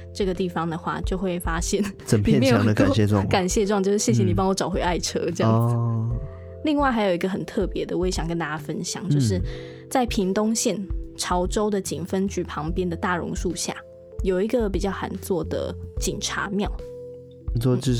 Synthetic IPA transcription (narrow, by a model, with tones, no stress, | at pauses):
ʈ͡ʂɤ˥˩ɡə˩t̪i˥˩fɑ˩ŋd̪ə˩xwa̰˥˩t͡ɕjo˥˧ʊxwe˥˩ɪfa˥ɕjɛ˥˩˨nt͡sə˨˩npʰi˨ɛ˥nmjjo˥˨˩d̪ə˧˨kɕjɛ˥˧ʈ͡ʂwɑ̰˥˨ŋka˨˩nɕjɛ˥˧ʈ͡ʂwŋt͡ɕjo˥˧ʊʂɻ̩˥˩ɕjɛ˥˩ɕjɛ˧˥ni˨˩pɑ˥ŋwɔ˧˥ʈ͡ʂɑ˨˩ʊxwe˧˥ɪa˥˩ɪʈ͡ʂʰɤ˥jjɑ˥˧˨ | li˥˧ŋwa˥˩ɪxa˧˥ɪjo˨˩ʊi˧ɡə˧˩xə˨˩nt̪ʰɤ˥˩pjɛ˧˦d̪ə˨wɔ˧˦˥e˧˩ɕjɑ˨˩ŋkə˥nt̪a˥˧˩t͡ɕa˥˧fə˦nɕjɑ̰˨˩ŋt͡ɕjo˥˧ʊʂɻ̩˥˧ | t͡sa˥˩ɪpʰi˧˥ŋt̪ʊ˥ŋɕjɛ˥˩nʈ͡ʂʰɑ˧˥ʊʈ͡ʂo˥ʊd̪ə˨t͡ɕi˨˩nfə˦nt͡ɕy˥˩pʰɑ˧˥ŋpjɛ˥nd̪ə˨t̪a˥˩ɻʊ̰˧˥ŋʂu˥˧ɕja̰˥˩ | jo˨˩ʊi˧˥ɡə˨p̬i˨˩t͡ɕjɑ˥˩ʊxa̰˨˩nt͡swɔ˥˩d̪ə̰˩t͡ɕi˨˩nʈ͡ʂʰa̰˧˥˦mjɑ˥˩ʊ˨˩ | t͡swɔ˥˧˥